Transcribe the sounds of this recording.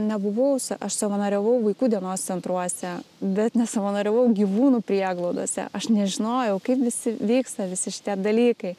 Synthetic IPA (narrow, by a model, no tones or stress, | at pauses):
nʲɛbʊʋɐʊsʔɐʃsɐʋɐnɐɾʲɛʋɐʊʋɐɪkuːd̪ʲiɛnoːssʲɛnt̪ɾuɔsʲɛbʲɛt̪nʲɛsɐʋɐnɐɾʲɛʋɐʊɡʲiʋuːnuːpʲɾʲiɛɡlˠoʊd̪oɔsʲɛ̰ʔɐʃnʲɛʒʲɪnoːjɛʊkɐɪpʋʲɪsʲɪʋʲiːkst̪ɐʋʲɪsʲɪʃʲɪ̥t̪ʲiɛd̪ɐlʲiːkɐɪ